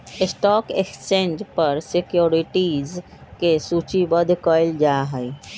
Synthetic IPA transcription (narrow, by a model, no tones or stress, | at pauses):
ɪsʈɔːkekt͡ʃẽːnd͡ʒpəɾsikjoɾiʈiz | kesut͡ʃibəd̪ʱkəɪld͡ʒaɦəj